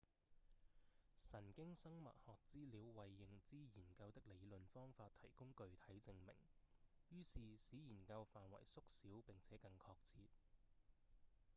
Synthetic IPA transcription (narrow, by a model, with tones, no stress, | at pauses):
sɐ˨˩nkɪ˥ŋsɐ˥ŋmɐ̰˨t̚hɔː˨k̚t͡siː˥liː˨˧wwɐ˨jːɪ˨˧ŋt͡siː˥jiː˨˩nkɐ˧wt̪ɪ˥k̚le˨˧jlɵ˨nfɔː˥ŋfaː˧t̪̚ʰɐ˨˩jkʊ˥ŋkɵ˧ɥt̪ʰɐ˨˥jt͡sɪ˧ŋmɪ̰˨˩ŋjyː˥siː˨siː˨˥jiː˨˩nkɐ˧wfaː˨nwɐ̰˨˩jsʊ˥k̚siː˨˥wpɪ˨ŋt͡sʰɛː˨˦kɐ˧ŋkʰɔː˧k̚t͡sʰiː˧t̚